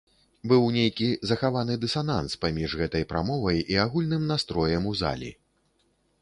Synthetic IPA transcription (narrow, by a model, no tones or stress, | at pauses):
bɨwnʲejkʲizɐxavanɨd̪ɨsana̰nspamʲiʐɣɛt̪ɐjpɾa̰mɔvɐjiaɣulʲnɨmnast̪ɾɔjɐmuza̰lʲḭ